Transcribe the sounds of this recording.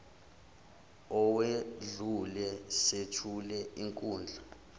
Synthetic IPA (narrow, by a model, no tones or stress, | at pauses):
ɔweɮulɛsetʰulɛiŋkʼuːnd͡ɮʱa